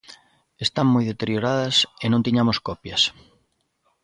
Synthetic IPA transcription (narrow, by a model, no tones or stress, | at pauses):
est̪aŋmojðet̪eɾjoɾaðɐsenõnt̪iɲamoskɔpjɐs